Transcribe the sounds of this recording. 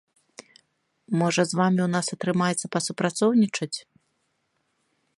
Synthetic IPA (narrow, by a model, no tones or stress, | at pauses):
mɔʐɐzvamʲiwnasɐt̪ɾɨmajɛt̪sːɐpɐsupɾat̪sɔwnʲit͡ʂɐt͡sʲ